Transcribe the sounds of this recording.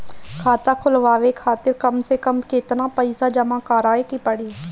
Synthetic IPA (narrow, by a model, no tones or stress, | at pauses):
kʰaːt̪akʰʊlʋaːʋekʰaːt̪ɪɾkəmsekəmkeːt̪napəɪsad͡ʒəmãːkaːɾaːekipəɽi